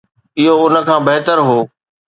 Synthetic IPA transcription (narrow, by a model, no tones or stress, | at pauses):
ɪɦoʊnə̆kʰãːbɐɦt̪əɾɦoː